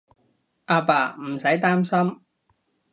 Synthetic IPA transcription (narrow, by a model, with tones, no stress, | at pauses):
ʔaː˧paː˨m̩˨˩sɐ˨˥jt̪aː˥msɐ˥m